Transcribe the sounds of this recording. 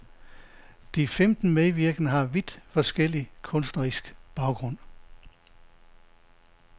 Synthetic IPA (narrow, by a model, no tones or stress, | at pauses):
d̥ifemd̥n̩meʋiɐɡ̥nəɦɑ̈ʋid̥fɒ̽sɡ̥el̰ikʰɔ̽nsd̥nɐʁisɡ̥b̥ɑ̈ʊɡ̥ʁɔ̽n̰